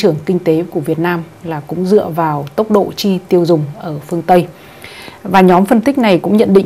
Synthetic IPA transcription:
t͡ɕɨ˧˩əŋkï˧ŋ̟t̪e˨˦ku˧˩əvi˨˩ət̚naː˧m | laː˨˩kʊ̰˧˥ŋ͡mzɨ̰˧˨əvaː˨˩wt̪ə˦˥wk͡p̚ɗo̰˧˨t͡ɕi˧t̪i˧əwzʊ˨˩ŋ͡mʔəː˧˩fɨ˧əŋt̪ə˧j | vaː˨˩ɲɔ˨˦mfə˧nt̪ï˦˥k̟̚na˨˩jkʊ̰˧˥ŋ͡mɲə̰˧˨nɗḭ̈˧˨

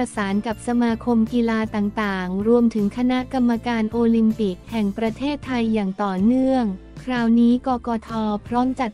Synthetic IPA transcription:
a˧saː˩˦nka˨˩p̚sa˧maː˧kʰo˧mkiː˧laː˧t̪aː˨˩ŋt̪aː˨˩ŋɾu˧əmt̪ʰɯ˩˦ŋkʰa˧na˦˥ʔka˧mːa˧kaː˧nʔoː˧li˧mpi˨˩k̚hɛ˨˩ŋpɾa˧t̪ʰeː˥˩t̪ʰːa˧jːaː˨˩ŋt̪ɔː˨˩nɯ˥˩əŋ | kʰɾaː˧wniː˦˥kɔː˧kɔː˧t̪ʰɔː˧pʰɾɔː˦˥mt͡ɕa˨˩t̪̚

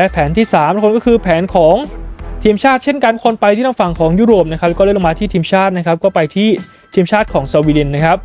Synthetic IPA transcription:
lɛ˦˥pʰɛː˩˦nt̪ʰiː˥˩saː˨˩˦m˦˥kʰŋkɔː˥˩kʰɯː˧pʰɛː˩˦nkʰɔː˩˦ŋt̪ʰiː˧mt͡ɕʰaː˥˩t̪̚t͡ɕʰe˥˩nka˧n˥˩kʰo˧npa˧jt̪ʰi˥˩t̪ʰa˥˩fa˨˩ŋkʰɔː˩˦ŋjuː˥˩ɾoː˨˩p̚na˦˥kʰa˦˥plkɔː˥˩˦lmaː˧t̪ʰiː˥˩iː˧mt͡ɕʰaː˥˩t̪̚na˦˥kʰa˦˥p̚kɔː˥˩pa˧jt̪ʰiː˥˩ | t̪ʰiː˧mt͡ɕʰaː˥˩t̪̚kʰɔː˩˦ŋsa˧wiː˧de˧nːa˦˥kʰa˦˥p̚

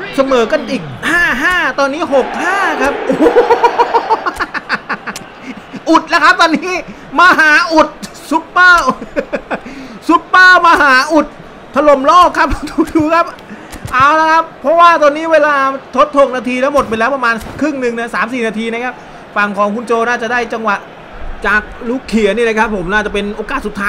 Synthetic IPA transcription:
sa˧mɤː˨˩˦ka˧nʔiː˨˩k̚haː˥˩ɦaː˥˩t̪ɔː˧nːiː˦˥ɦo˨˩k̚haː˥˩kʰa˦˥p̚ʔoː˨˦ | ʔu˨˩t̪̚lɛː˦˥kʰa˦˥p̚t̪ɔː˧nːiː˦˥ | maː˧ɦaː˨˩˦ʔu˨˩t̪̚ | su˨˦t̪̚paː˥˩ | su˨˩t̪̚paː˥˩maː˧ɦaː˨˩˦ʔu˨˩t̪̚ʰː | a˧lo˨˩mlɔː˥˩kʰːa˦˥p̚t̪ʰuː˨˩k̚duː˧˦kʰa˦˥p̚ | ʔa˧˩wna˦˥kʰa˦˥pʰːɾɔ˦˥waː˥˩t̪ɔː˧niː˦˥weː˧laː˧t̪ʰo˦˥t̪ʰːoː˧˩ŋnaː˧t̪ʰiː˧t̪a˦˥mo˨˩t̪̚pa˧lɛː˦˥wpa˧maː˧n˨kʰɾɯ˥˩ŋnɯ˨ŋna˦˥˩saː˩˦msiː˨˩naː˧t̪ʰiː˧na˦˥kʰa˦˥p̚ | fa˨˩ŋkʰɔː˩˦ŋkʰu˧nt͡ɕoː˧naː˥˩t͡ɕa˨˩ʔdaː˥˩jt͡ɕa˧ŋwa˨˩ʔ | t͡ɕaː˨˩k̚luː˦˥˩kʰːi˨˩˦əniː˥˩na˦˥kʰpʰːo˩˦mnaː˥˩t͡ɕa˨˩pe˧nʔoː˧kaː˨˩t̪su˨˩t̪ʰːaː˦

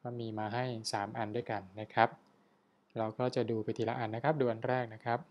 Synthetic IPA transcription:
kɔː˥˩miː˧maː˧ɦa˥˩jsaː˩˦mʔa˧ndu˥˩jka˧nːa˦˥kʰɾa˦˥p̚ | ɾa˧wkɔː˥˩t͡ɕa˨˩duː˧pa˧˩t̪ʰiː˨˩la̰˧ʔa˧nːa˦˥kʰp̚duː˧ʔa˧nɾɛː˥˩k̚na˦˥kʰa˦˥p̚

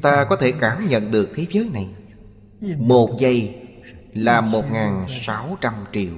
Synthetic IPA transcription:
ŋ͡mt̪aː˧kɔ˨˦t̪ʰe˧˩kaː˧˩mɲə̰˧˨nɗɨ˨˩ək̚t̪ʰe˨˦zəː˨˦jna˨˩j | mo˨˩t̚zə˧j | laː˨˩mo˨˩t̚ŋaː˨˩nsa˨˦wt͡ɕa˧mt͡ɕi˧˩˨əw

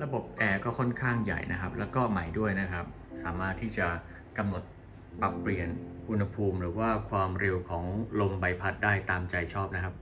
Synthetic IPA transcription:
ɾa˧bo˨˩p̚ʔɛː˧kɔː˥˩kʰɔ˥˩nkʰaː˥˩ŋja̰˨˩jna˦˥kʰa˦˥p̚lɛː˦˥wkɔː˥˩ma˨˩jdu˥˩əjna˦˥kʰa˦˥p̚ | saː˩˦maː˥˩t̪ʰːiː˥˩t͡ɕa˨˩ | ka˧mno˨˩t̪̚ | pa˨˩pːli˨˩ənʔu˧nha˧pʰuː˧mɾɯː˩˦waː˥˩kʰwaː˧mɾe˧wkʰɔː˩˦ŋlo˧mba˧jpʰa˦˥t̪̚daː˥˩jt̪aː˧mt͡ɕa˧jt͡ɕʰɔː˥˩p̚na˦˥kʰa˦˥p̚

